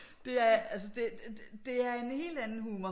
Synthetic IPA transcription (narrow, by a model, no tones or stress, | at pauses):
d̥e̝æɐælsəd̥e̝̥d̥e̝æɐe̝nhe̝̰ːld̥ænn̩ɦhuːmɐ